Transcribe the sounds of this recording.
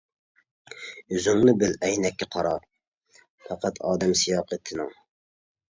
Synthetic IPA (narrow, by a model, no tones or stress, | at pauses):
yzyŋnɨbɪlɛjnɛkʲːɛqʰɑɾɑɾ | fæqæt̪ʰɑːd̪ɛmsijɑːqʰət̪ʰːɪnɪ̰ŋ